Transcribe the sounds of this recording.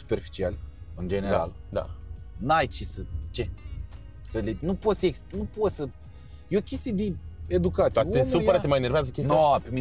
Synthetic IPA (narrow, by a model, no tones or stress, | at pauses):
su̥pe̞rfi̥t͡ʃialʲeɨnd͡ʒe̞neɾɾa̰ld̪a̰najt͡ʃesət͡ʃe̞ | səlenupo̞t̪səeksnupo̞t̪sə | jeo̞kʲe̞st̪ijed̪eed̪ukat̪sesujəɾat̪emajenerveazəkʲesnopemi